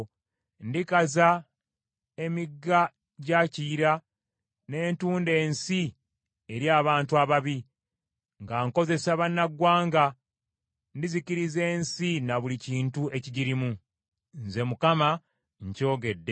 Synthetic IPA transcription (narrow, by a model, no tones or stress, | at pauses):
ndikaza | e̞miɡːa | ɟaciːɾa | ne̞ːntuːnde̞ːnsi | eɾjaːβaːntuaβaβi | ŋɡaŋko̞ze̞saβanːaɡwaːŋɡa | ndiziciɾize̞ːnsinaβuliciːntue̞ciɟiɾimu | nze̞mukama | ɲco̞ːɡe̞dːe